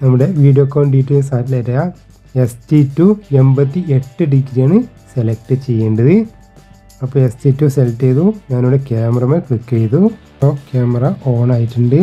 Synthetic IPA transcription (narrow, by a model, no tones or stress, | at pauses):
nɐmːuɽe̞ʋiːɖijoːkːoːɳɖiːʈːeːlsaːtlejtːɐja | estiːtːue̞mbɐt̪ːiʔe̞ʈːɨɖiɡiɾijaːɳɨ | selek̚ʈɨt͡ɕe̞jːeːɳɖɐðɨ | ɐpːoːestiːtːuselɐʈːejðuɲaːnoːɽekeːmɐrɐmeklikːejt̪ːuɐpːokeːmɐrɐʔoːnaːjiʈːuɳɖɨ